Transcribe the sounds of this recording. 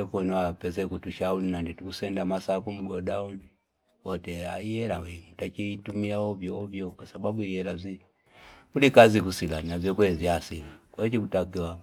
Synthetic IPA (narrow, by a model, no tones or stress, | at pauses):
ɛkɛnɔwapɛzɛkutuʃaulinanditukusɛndamasakum̩ɡɔdauni | wɔtɛa̰ijɛlawɛŋutat͡ʃitumiaɔvjɔɔvjɔkwasababuiɛlazi | kulikazikusilaninavjɔkwɛziasilikaɛt͡ʃikutakiwa